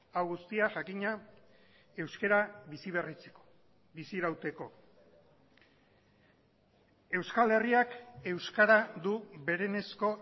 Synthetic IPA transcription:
awɣust̪iaʝakiɲa | e̞wske̞ɾaβisiβ̞e̞rit͡seo | bisiɾawt̪e̞ko̞ | e̞wskale̞riake̞wskaɾad̪uβe̞ɾe̞ne̞sko̞

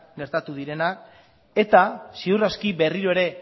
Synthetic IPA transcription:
ɡe̞ɾt̪at̪uðiɾe̞nak | e̞t̪asiuraskiβe̞riɾo̞eɾe̞

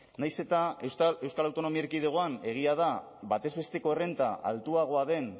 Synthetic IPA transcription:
najse̞t̪ae̞wskalawt̪o̞no̞mieɾkiðeɣ̞o̞ane̞ɣ̞iaða | βat̪e̞zβe̞st̪e̞ko̞ere̞nt̪a̰ʔa̰lt̪uaɣ̞o̞aðe̞n

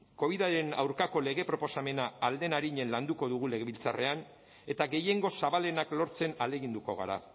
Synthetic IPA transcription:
ko̞β̞iðaɾe̞na̰wɾkako̞le̞ɣe̞pɾo̞po̞same̞naːld̪e̞naɾiɲe̞nland̪uko̞ðuɣ̞ule̞ɣe̞βilt͡sare̞an | e̞t̪aɣe̞je̞ŋɡo̞saβale̞naklo̞ɾt͡se̞nale̞ɣind̪uko̞ɣ̞a̰ɾa̰

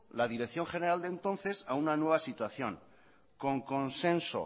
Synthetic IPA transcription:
laðiɾekθjo̞ŋxe̞ne̞ɾald̪ent̪o̞nθe̞saunanwe̞β̞asit̪waθjo̞̰ŋ | ko̞ŋko̞nse̞nso̰

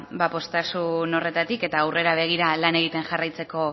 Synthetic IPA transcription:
bapo̞st̪asuno̞re̞t̪at̪ike̞t̪aːwre̞ɾaβ̞e̞ɣ̞iɾalane̞ɣit̪e̞nʝarajt͡se̞ko̞

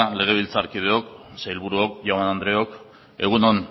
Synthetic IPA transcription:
le̞ɣ̞e̞β̞ilt͡saɾkið̞eo̞ksajlβuɾuok̚ʝomanand̪ɾeo̞k | e̞ɣ̞unon

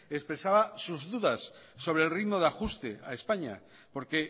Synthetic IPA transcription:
espɾe̞saβasuzðuðasːo̞β̞ɾeːlriðmoðaxust̪ḛa̰espaɲa̰ | po̞ɾke̞

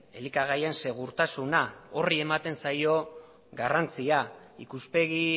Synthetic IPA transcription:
elikaɣ̞aje̞nse̞ɣ̞uɾt̪asunaorie̞mat̪e̞nsajo̞ | ɡarant͡sia | ikuspe̞ɣi

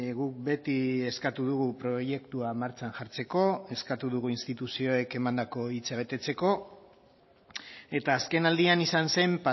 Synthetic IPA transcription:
ɣuk̚be̞t̪ie̞skat̪uð̞uɣ̞upɾo̞je̞kt̪uamaɾt͡ʃanʝaɾt͡se̞ko̞e̞skat̪uðuɣuinst̪it̪usio̞e̞ke̞mand̪ako̞it͡saβ̞e̞t̪e̞t͡se̞ko̞ | e̞t̪aːske̞nald̪ianisanse̞mpa

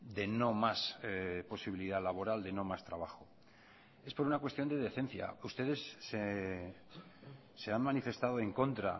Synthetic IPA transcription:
d̪e̞no̞maspo̞siβ̞iliðalaβo̞ɾald̪e̞no̞mast̪ɾaβ̞axo̞ | e̞spo̞ɾunakwest̪jo̞nd̪e̞ðe̞θẽ̞n̟θja̰ust̪e̞ð̞e̞sːe | se̞anmãnife̞st̪að̞oe̞ŋko̞nt̪ɾa̰

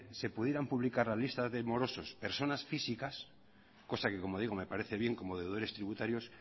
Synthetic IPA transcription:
se̞puðjeɾampuβlikaɾlalist̪azðe̞mo̞ɾo̞so̞spe̞ɾso̞nasfisikas | ko̞sake̞ko̞mo̞ð̞iɣ̞o̞me̞paɾe̞θe̞βje̞ŋko̞mo̞ðewð̞o̞ɾe̞st̪ɾiβut̪aɾjo̞s

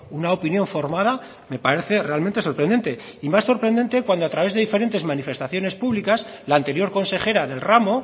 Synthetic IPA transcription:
unaopinjõ̞ɱfo̞ɾmaða | me̞paɾe̞θe̞re̞alment̪e̞so̞ɾpɾend̪e̞nt̪e̞imasso̞ɾpɾend̪e̞nt̪ekwand̪oat̪ɾaβe̞zðe̞ðife̞ɾe̞nt̪e̞zmanife̞st̪aθjo̞ne̞spuβlikaslaːnt̪e̞ɾjo̞ɾko̞nse̞xe̞ɾaðe̞lramo̞

